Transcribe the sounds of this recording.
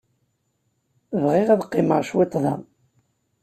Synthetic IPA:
vʁɪʁæðqːɪməʁʃwɪt̪ˤːðˤɑn

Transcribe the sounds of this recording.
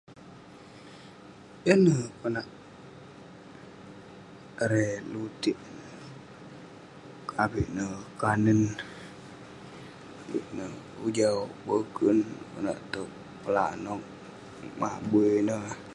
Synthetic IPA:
jənəkənaʔ | ɾelut̪iʔ | kʰabiʔnəkanən | abḭʔnə | ud͡ʒabəɡənkə̰na̰ʔt̪ə | pəlanɔk̚ | ma̰buənə

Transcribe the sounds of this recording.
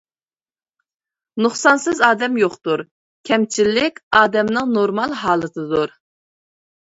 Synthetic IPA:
nuχsɑnsɨzɑːd̪ɛmjoχt̪uɾ | kʲʰɛmt͡ʃʰilːɪkʲɑːd̪ɛmnɨŋnoɾmɑlˠɦɑːlˠɨt̪ʰɨd̪uɾ

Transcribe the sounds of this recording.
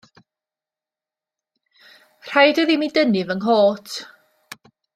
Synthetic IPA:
r̥ajdəðimidənɪvəŋɦoːtʰ

